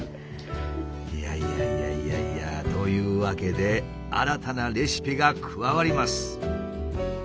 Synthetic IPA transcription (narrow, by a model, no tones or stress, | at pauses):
ijaijaijaia̰ijat̪o̞jɯ̟ːβake̞d̪e̞ | a̰ɾat̪anaɾʲeɕi̥pʲiɡakʰɯ̟βaβaɾʲimasɨ̥